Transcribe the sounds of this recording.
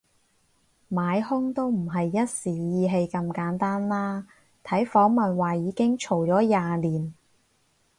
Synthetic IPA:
maː˨˧jhʊ˥ŋt̪o˥wm̩˨˩ɦɐ˨jːɐ˥t̚siː˨˩jiː˧ɦe˧jkɐ˧mkaː˨˥nt̪aː˥nlaː˥ | t̪ʰɐ˨˥jfɔː˨˥ŋmɐ˨nwaː˨˩jiː˨˧kɪ˥ŋt͡ʃʰo˨˩wt͡ʃɔː˨˥jaː˨liː˨˩n

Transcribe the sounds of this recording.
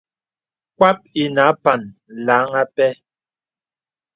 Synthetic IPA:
kwa˦p̚i˨na˨˦pa˨nlaː˨˦ŋa˦pɛ˦

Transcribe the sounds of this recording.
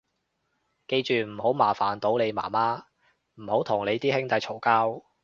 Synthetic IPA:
ke˧jt͡ʃyː˨m̩˨˩ho˨˥wmaː˨˩faː˨˩nt̪o˨˥wne˨˧jma̰ː˨˩maː˥ | m̩˨˩ho˨˥wt̪ʰʊ˨˩ŋle˨˧jt̪iː˥hɪ˥ŋt̪ɐ˨˧jt͡ʃʰo˨˩wkaː˥w

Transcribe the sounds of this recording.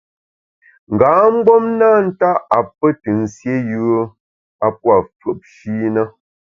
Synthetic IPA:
ŋ̩˨ɡaː˨˦ŋ͡m̩˦ɡ͡bɔ˦mna˦n̩˦ta˦ʔa˨pə˦tɨ˨n̩˨sje˦jʉ˦ə˦ | a˦pwa˨fə˨p̚ʃiː˦nə˦

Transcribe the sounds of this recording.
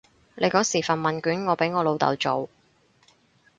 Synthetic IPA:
lʔe˨˧jkɔː˨˥siː˨˩fɐ˨˩nmɐ˨˩nkyː˨˥nŋɔː˨˧pe˨˥jŋɔː˨˧lo˨˧wt̪ɐ̰˨wt͡so˨˧w

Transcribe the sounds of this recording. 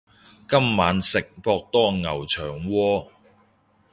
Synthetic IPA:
kɐ˥mːaː˨˧˥nsɪ˨k̚pɔː˧k̚t̪ɔː˥ŋɐ˨˩wt͡ʃʰœː˨˩ŋwɔː˧

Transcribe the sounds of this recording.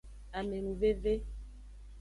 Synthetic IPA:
a˨me˨nũ˨ve˦ve˦

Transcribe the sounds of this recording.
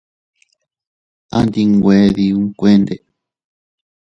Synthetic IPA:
a̰˦˧nd̪i˧ŋɡʷe˦ði˧ũ˦ŋkʷe˦nd̪e˨

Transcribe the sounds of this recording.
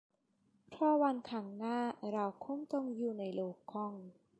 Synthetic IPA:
pʰɾɔː˥˩wa˧nkʰaː˧˩ŋnaː˥˩ɾa˧wkʰu˧˥˩mt̪o˧ŋjuː˨˩na˧jloː˧˩kʰːɔ˧˩ŋ

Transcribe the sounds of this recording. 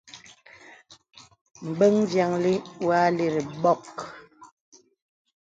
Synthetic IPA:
m̩˨be˦ŋzja˨ŋli˦wa˦li˨ɾi˨ɓɔ˦˨k

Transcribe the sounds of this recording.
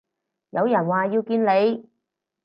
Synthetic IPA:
jɐ˨˧wjɐ˨˩nwaː˨jiː˧wkiː˧nle˨˧j

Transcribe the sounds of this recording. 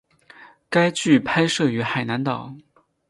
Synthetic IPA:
ka˥ɪt͡ɕy˥˩pʰa˥ɪʂɤ˥˩y˧˥xa˨˩ɪna˧˥nt̪ɑ˨˩˦ʊ

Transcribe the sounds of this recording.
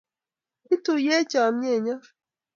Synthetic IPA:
i˦tu˨je˦t͡ʃa˨mɲe˦˨ɲa˦

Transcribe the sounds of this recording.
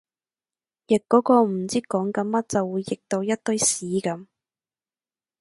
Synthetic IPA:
jɪ˨kkːɔː˨˥kɔː˧m̩˨˩t͡siː˥kɔː˨˥ŋkɐ˨˧˥mmɐ˥t̚t͡sɐ˨wːuː˨˧jːɪ˨k̚t̪o˧wjɐ˥t̚t̪ɵ˧˥ɥsiː˨˥kɐ˨˧˥m

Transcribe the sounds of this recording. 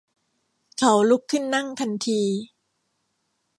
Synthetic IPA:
kʰa˨˦wlu˦˥kʰːɯ˥˩nːa˥˩ŋt̪ʰa˧nt̪ʰiː˧

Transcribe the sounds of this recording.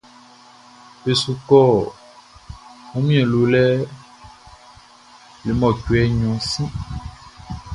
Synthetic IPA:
pe˨su˨kɔ˦˨ | mũ˦mĩ˦ɛ̃˨lo˨lɛ˦ | le˨mɔ̃˨cwɛ˦ɲɔ̃˨sĩ˦

